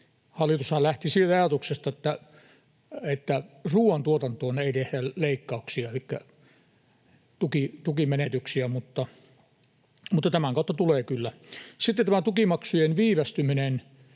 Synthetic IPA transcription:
hɑlːˑit̪ushɑlæht̪isiːlt̪ɑɑjɑt̪uksest̪ɑet̪ːæ | et̪ːæruːɑnt̪uot̪ɑnt̪oːneit̪ehdæleikːɑuksiɑelikːæ | t̪ukit̪ukimenet̪yksiæmut̪ːɑ | mut̪ːɑt̪æmæŋkɑˑut̪ːɑt̪uleːkylːæsit̪ːet̪t̪æmæt̪ukimɑksujenʋiːʋæst̪yminen

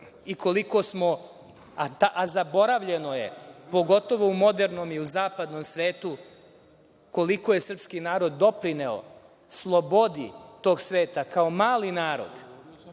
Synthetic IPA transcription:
iko̞liko̞smo | at̪aʔazabo̞ɾaʋʎe̞no̞je̞̰po̞ɡo̞t̪o̞ʋo̞umo̞d̪eɾno̞miuzaːpad̪no̞msʋe̞ːt̪u | ko̞liko̞je̞sr̩pskinaːɾo̞d̪ːo̞pɾineo̰ | slˠo̞bo̞d̪it̪o̞ːɡsʋe̞ːt̪akao̞maːlinaːɾo̞̰d̪

